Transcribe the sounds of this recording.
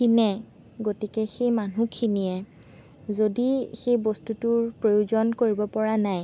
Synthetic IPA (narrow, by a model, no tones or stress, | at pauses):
kinɛ | ɡotikɛxejmanukʰiniɛ | zodixejbostutʊɹpɹojuzɔnkoɹibɔpɔɹanaj